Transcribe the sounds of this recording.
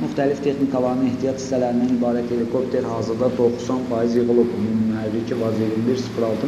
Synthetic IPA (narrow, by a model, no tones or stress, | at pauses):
myχt̪ʰælift̪ʰe̞χnikʰɑlˠɑɾnɯneht̪ijɑt̪ʰist̪ælæɾind̪ænibɑːɾæt̪ʰe̞likʰo̞p̚t̪ʰeɾhɑːzɯɾd̪ɑd̪o̞χsɑnfɑizjɯɣɯlˠɯbumymyhæɾːicʰivɑziɾimliɾsfɾɑlˠt̪ʰɯ